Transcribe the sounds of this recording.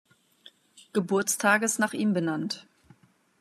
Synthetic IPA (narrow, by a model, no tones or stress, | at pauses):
ɡ̥əbʊɐt͡stʰaːɡəsnaːχʔiːmbənant